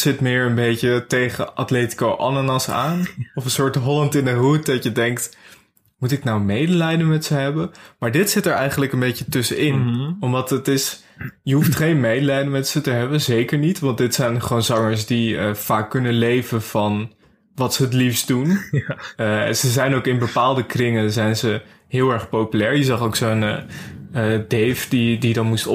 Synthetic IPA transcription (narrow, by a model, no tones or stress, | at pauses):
sɪtmɪːɹənbejcətejχə̰ʔɑ̰tleːti̥kowʔɑnanɑsa̰ːnɔfənsʊːɹtɦɔlɑntɪndəɦut̚dɑtjədɛŋk̚t | mutɪknawmejdəlɛjdənmɛtsəɦɛbəmaːɹdɪtsɪtɛɹɛ̰jχənləkənbejcətɵsəɪnɔmdɑtətɪs | jəɦuftχejnmejdəlɛjdənmɛtsətəɦɛbənzejkəɹnitʋɑntdɪtsɛjnχəownzɑŋəɹsdiəfaːkːɵnənlejvənv̥ɑn | ʋɑtsəɦətlifsdun | ɛ̰nzəzɛjnowkɪnbəpaːlˠdəkrɪŋənzɛjnzə | ɦɪːlˠɛɹχpowpylɛːɹjəzɑχowksonː | ədejfdididɑnmust